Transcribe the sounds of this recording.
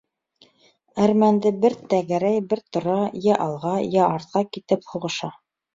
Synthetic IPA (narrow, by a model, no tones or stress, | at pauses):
æɾmænd̪ɘbɘɾt̪æɡæɾæjbɘɾt̪ŏɾɑjæʔɑlˠʁɑjæɑɾt̪̚qɑkit̪ɘphuʁɤ̆ʃɑ